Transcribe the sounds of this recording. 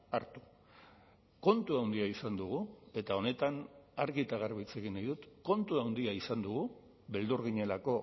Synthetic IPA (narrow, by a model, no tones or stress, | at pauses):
aɾt̪u̥ | ko̞nt̪uawnd̪iaisand̪uɣ̞ue̞t̪ao̞ne̞t̪anaɾɣit̪aɣ̞aɾβit͡se̞ɣinajðut̪ko̞nt̪uawnd̪iaisand̪uɣu | βe̞ld̪uɾɣiɲe̞lako̞